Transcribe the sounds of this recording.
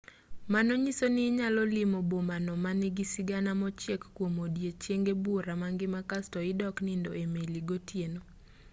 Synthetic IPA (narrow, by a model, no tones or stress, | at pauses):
manoɲisonɪɲalɔlɪmobomanɔmanɪɡɪsɪɡanamɔt͡ʃjekːwomodjet͡ʃjeŋɡebuɾamaŋɡɪmakastɔɪdɔknɪndoemeliɡotjeno